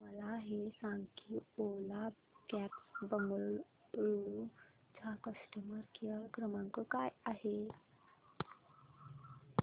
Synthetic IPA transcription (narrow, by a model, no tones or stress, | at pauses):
məlaɦesãŋɡkʰiola | kɛpsbəməɭ | ɾu | t͡ɕakəsʈəməɾkiakɾəmãŋkokajaɦe